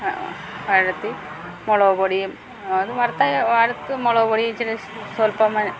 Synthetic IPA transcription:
ʋɐɾɐt̪ːi | moɭoːboɽijɐm | ɐðɨʋɐrt̪ːajʋaɾɐt̪ːɨmoɭoːboɽijɐt͡ɕilɐ | solpɐmɐ

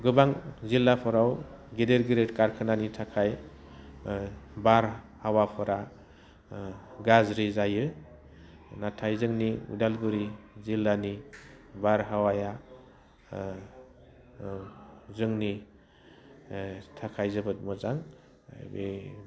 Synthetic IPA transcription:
ɡɯbaŋzilːapʰɔɾawɡedeɾɡɯɾetkaɾkʰɯnanitʰakʰaj | baɾ | hawapʰɔɾa | ɡazɾizajɯ | natʰajzɯŋniṵdalbɯɾizilːanibaɾɦawaja | zɯŋni | tʰakʰajzɯbɯt̚mɯzaŋ | be

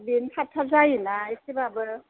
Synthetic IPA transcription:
benkʰatʰːazajinaisibabɯ

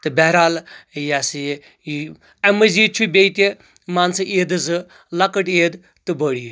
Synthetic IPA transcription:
t̪ɨbɛɦɾaːljasɨ | ɐmɐziːt͡ʃʰubʲejt̪i | maːnsɨʔeːd̪ɨzɨ | lɐkəʈeːd̪ | t̪ɨbəɽi

